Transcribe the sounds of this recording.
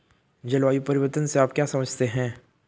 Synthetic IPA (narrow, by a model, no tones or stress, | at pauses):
d͡ʒɐlʋaːjupɐɾɪʋəɾt̪ənseaːpkjasɐməd͡ʒʱt̪eɦɛ̃ː